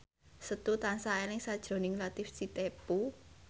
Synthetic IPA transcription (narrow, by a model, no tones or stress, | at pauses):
sət̪ut̪ansaɛlɪŋsad̥ʒ̥ɾo̤nɪŋlat̪ɪfsit̪epu